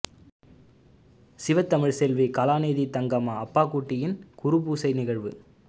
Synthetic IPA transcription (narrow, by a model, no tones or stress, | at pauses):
sɪʋɐt̪ːɐmɪɻsɛlʋikɐlaːneːðit̪ɐŋɡaːmaːɐpːaːkuːʈːɪjɪnkʊɾɯpuːsɐɪnɪɣɐɻʋɯ